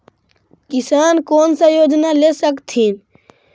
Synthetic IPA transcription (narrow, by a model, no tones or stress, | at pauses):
kɪsaːnkoːnsajoːd͡ʒnalesəkt̪ʰiːn